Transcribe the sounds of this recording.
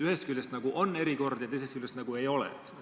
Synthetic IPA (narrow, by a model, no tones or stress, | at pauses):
yhest̪kylʲjest̪nɑɡuʔo̞nːe̞ɾiko̞rd̪̥jɑt̪ejs̬et̪kylʲːjːest̪nɑɡ̥ue̞jo̞lɛ̰